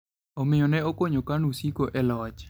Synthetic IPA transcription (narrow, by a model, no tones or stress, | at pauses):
ɔmɪjɔnɛokoɲokanusikoʔɛlɔt͡ʃ